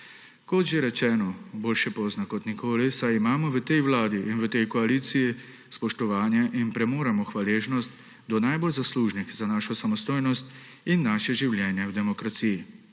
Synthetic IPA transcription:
kɔt̪ʒeɾɛt͡ʃɛːnɔboːlʃɛpɔznakɔt̪nikoːlisajimaːmɔʋət̪ɛjwlaːd̪iʔinʋət̪ɛjkɔaliːt̪siji | spɔʃt̪ɔʋaːnjɛʔinpɾɛmoːɾamɔxʋaleːʒnɔst̪ | d̪ɔnajbolzasluːʒnixzanaːʃɔsamɔst̪oːjnɔst̪ | inːaːʃɛʒiwljɛːnjɛwd̪ɛmɔkɾat̪siji

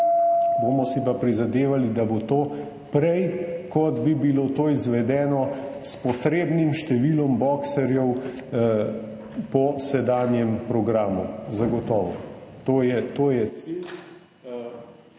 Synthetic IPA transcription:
boːmɔsipapɾizad̪eːʋalid̪abot̪oː | pɾɛjkɔd̪bibiloːt̪oːizʋɛd̪ɛːnɔ | spɔt̪ɾeːbnimʃt̪ɛʋilɔmbɔksɛɾjɛw | pɔsɛd̪aːnjɛmpɾɔɡɾaːmuzaɡɔt̪ɔːʋɔt̪oːjɛt̪oːjɛt̪sil

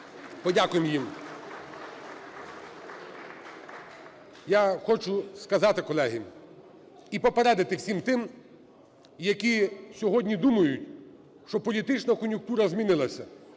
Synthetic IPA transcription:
pɔdʲakʊjemjim | jaxɔt͡ʃʊskɐzɑt̪ɪkɔlˠɛɦi | ipɔpeɾɛd̪ɪt̪ɪwsʲimt̪ɪm | jɐkʲisʲɔɦɔdʲnʲid̪umɐjʊtʲ | ʃt͡ʃɔpɔlʲit̪ɪt͡ʃnɐkɔnʲjʊk̚t̪uɾɐzmʲinɪlˠɐsʲɐ

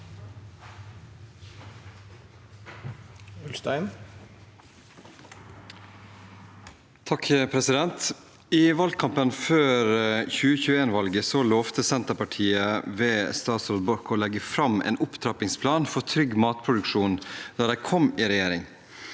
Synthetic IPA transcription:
ʉlst̪æɪn | t̪ʰɑkʰəpʰɾɛsɪd̪ɛnt̪ | iːʋɑlɡ̚kʰɑmpənføːɾçʉːəçʉːeːnʋɑlɡəsɔlɔːʋt̪əsɛnt̪əpɑʈʰiːəʋeːst̪ɑːt̪sold̪̚bɔɾkoːlɛɡəfɾɑmʔḛːnʊpt̪ʰɾɑpɪŋspʰlɑːnfɔt̪ʰɾʏɡmɑːt̪pʰɾʊd̪ʉkʂuːnd̪̥ɑːd̪æɪkʰɔmiːɾɛjeːɾɪŋ

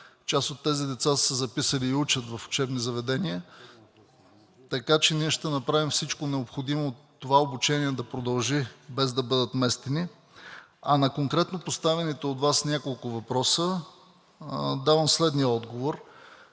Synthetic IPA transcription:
t͡ʃasot̪ːɛzid̪ɛt̪sassəzɐpisəliːut͡ʃət̪vɐfʊ̥t͡ʃɛbnizɐvɛd̪ɛniə | t̪ɐkat͡ʃɛniɛʃt̪ɛnɐpɾavimfsit͡ʃkonɛopxod̪imoːt̪ːovaobut͡ʃɛniɛd̪ɐpɾod̪ɐlˠʒibɛzd̪ɐbɤd̪ət̪mɛst̪ɛni | ɐnɐkoŋkɾɛt̪nopost̪avɛnit̪ɛot̪vasnʲjakolˠkʊvɐpɾɔsə | d̪avəmslɛd̪niəɔd̪ɡovoɾ

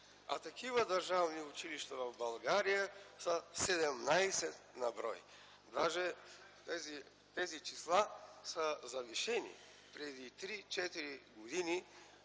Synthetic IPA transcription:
ɐ̰t̪ɐkivəd̪ɐɾʒavniʊt͡ʃiliʃt̪əvɐvbɐlˠɡaɾijəsəsɛd̪ɛmnajsɛt̪nɐbɾɔj | d̪aʒɛ | t̪ɛzi | t̪ɛzit͡ʃislˠasəzɐviʃɛnḭ | pɾɛd̪it̪ɾit͡ʃɛt̪iɾiɡod̪ini

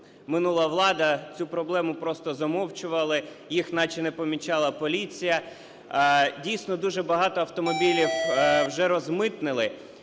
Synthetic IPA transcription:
mɪnulˠɐʋlˠɑd̪ɐt͡sʲupɾɔblˠɛmʊpɾɔst̪ɔzɔmɔwt͡ʃʊʋɐlˠɪ | jixnɑt͡ʃinɛpɔmʲit͡ʃɑlˠɐpɔlʲit͡sʲijɐ | dʲijsʲnɔd̪uʒɛbɐɦɑt̪ɔɐwt̪ɔmɔbʲilʲiwwʒɛɾɔzmɪt̪nɪlˠɪ

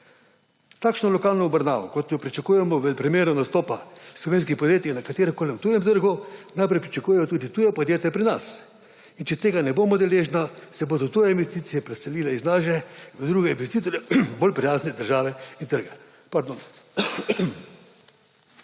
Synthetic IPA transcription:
t̪aːkʃnɔlɔkaːlnɔɔbɾna̰ːʋɔkɔt̪jɔpɾit͡ʃɐkuːjɛmɔʋɛpɾimeːɾɔnast̪ɔːpaslɔʋeːns̬kixpɔd̪jeːt̪ixnakat̪eːɾɛkoːlʲɛmt̪ujɛmt̪əɾɡunajpɾɛjpɾit͡ʃakuːjɛjɔt̪uːd̪it̪uːjɛpɔd̪jeːt̪japɾinas | int͡ʃɛt̪eːɡanɛboːmɔd̪ɛleʒnasɛbod̪ɔt̪ujɛinʋest̪iːt̪sijɛpɾɛsɛliːlɛiznaʃ̬ɛʋəd̪ɾuːɡɛinʋest̪it̪ɔɾjɛbolpɾijaːznɛd̪əɾʒaːʋɛint̪əɾɡɛ | paɾd̪on

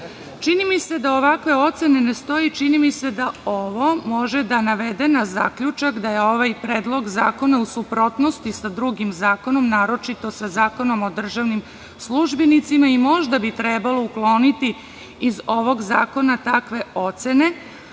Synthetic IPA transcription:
t͡ʃinimise̞d̪ao̞ʋakʋe̞o̞t̪se̞ne̞nest̪o̞it͡ʃinimise̞d̪aoʋo̞mo̞ʒed̪anaʋe̞d̪e̞naza̰kʎut͡ʃakd̪aje̞o̞ʋajpɾe̞ːd̪lˠo̞ɡza̰ːko̞nausupɾo̞t̪no̞st̪isad̪ɾuɡimzaːko̞no̞mnaːɾo̞t͡ʃit̪o̞sazaːko̞no̞mo̞d̪r̩ʒaʋnim | sluʒbenit̪simaimo̞ʒd̪abit̪ɾeːbalo̞uklˠo̞ːnit̪i | izo̞ʋo̞ɡza̰ːko̞nat̪akʋe̞o̞t̪se̞ne̞

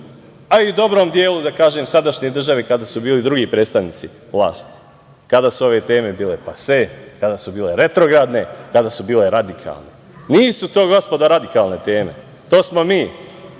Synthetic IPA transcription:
aiud̪o̞bɾo̞ːmd̪je̞ːlud̪akaːʒeːmsad̪aʃɲed̪r̩ʒaʋikad̪asubiːlid̪ɾuɡipɾeːst̪aʋniːt̪si | ʋlˠa̰ːst̪i̥ | kad̪aːsuo̞ʋe̞ːt̪e̞ːme̞biːle̞pasekad̪asubiːle̞ɾe̞t̪ɾo̞ɡɾad̪ne̞kad̪asubiːle̞ɾad̪ikʰa̰ːlˠne | niːsut̪o̞ːɡo̞spo̞d̪aɾad̪ikaːlˠne̞t̪eːme̞̰ | t̪o̞ːsmo̞miː

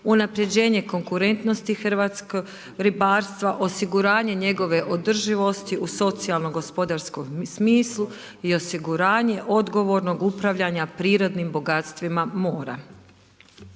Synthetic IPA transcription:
unapɾje̞d͡ʑe̞ːɲe̞ko̞ŋkuɾe̞nt̪no̞st̪ixɾʋat̪sko | ɾibaːɾst̪ʋaʔo̞siɡuɾaːɲe̞ɲe̞ɡo̞ʋe̞ʔo̞d̪r̩ʒiʋo̞st̪iʔuso̞t̪sialˠnoɡo̞spo̞d̪aɾskomsmiːslˠu | io̞siɡuɾaːɲe̞ʔo̞d̪ɡo̞ʋo̞ɾno̞ɡupɾaʋʎaɲapɾiːɾo̞d̪nimbo̞ɡat̪st̪ʋimamoːɾa̰

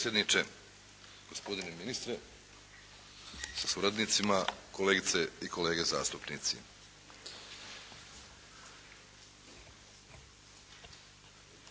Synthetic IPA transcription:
sjed̪nit͡ʃe | ɡ̥ospo̞d̪ineminist̪ɾe | sasuɾad̪nit̪simako̞leːɡit̪se̞iko̞le̞ːɡe̞za̰ːst̪upnit̪sḭ

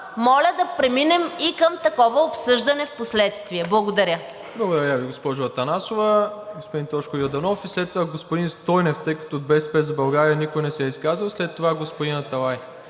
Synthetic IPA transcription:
mɔlʲəd̪ɐpɾɛminɛmikəmt̪ɐkɔvəopsɤʒd̪ɐnɛfposlɛt̪st̪viɛblˠɐɡod̪ɐɾʲjə | blˠɐɡod̪ɐɾʲəviɡospɔʒʊɐt̪ɐnasovəɡospod̪int̪ɔʃkʊjod̪ɐnɔfislɛt̪ːovaɡospod̪inst̪ɔjnɛft̪əjkə̥t̪oːd̪̚bɛspɛzɐbɐlˠɡaɾiɐnikojnɛsɛiskazəlˠslɛt̪ːovaɡospod̪inɐt̪ɐlˠaj

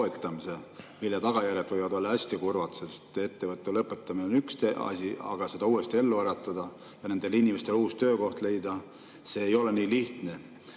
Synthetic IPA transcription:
et̪ːˑɑmise̞milːet̪ɑɡ̥ɑjærjet̪vɤjvɑd̪o̞lːɑæsʲt̪ikurvɑt̪sest̪e̞t̪ːe̞vɤt̪ːˑulɤpːˑet̪ːˑɑmineonykst̪eɑ̰sʲiɑ̰ɡ̥ɑse̞d̪ɑuːe̞st̪ie̞lːuæɾɑt̪ːˑɑd̪̥ɑ | jɑne̞nd̪̥e̞linʲimest̪eluːst̪ø̞ːko̞ht̪le̞jd̪̥ɑ | se̞ːjo̞leniːliht̪ne̞

